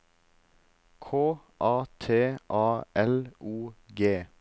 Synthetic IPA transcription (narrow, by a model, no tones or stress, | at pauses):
kʰoː | ʔɑːt̪ʰeːʔɑːʔɛlʔuːɡeː